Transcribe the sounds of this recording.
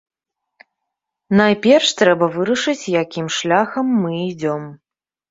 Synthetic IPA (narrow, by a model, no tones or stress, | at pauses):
najpʲɛrʂt̪ɾɛbɐvɨɾɐʂɨt͡sʲjakʲimʂlʲaxɐmːɨid͡zʲɔm